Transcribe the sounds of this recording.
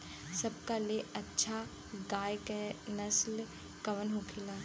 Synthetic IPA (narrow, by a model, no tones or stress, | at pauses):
sɐb̚kaleʔɐtːʃʰa | ɡaːjkenəsl | kɐʋənɦukʰɪlaː